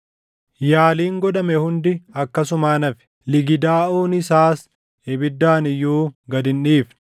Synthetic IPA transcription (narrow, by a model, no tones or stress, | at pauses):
jaːliːŋɡɔᶑɐmɛhʊnd̪ɪɐkːɐsʊmaːnɐfɪ̥ | lɪɡɪd̪aːʔuːnɪsaːs | ɛbɪd̪ːaːnɪjːuːɡɐd̪ɪnᶑiːf